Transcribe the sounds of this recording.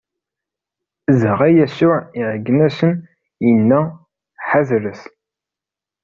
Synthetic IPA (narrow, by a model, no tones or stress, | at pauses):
zəʁæjæsʊʕiʕəɡːnæsən | jənːæ | ħaðɾəs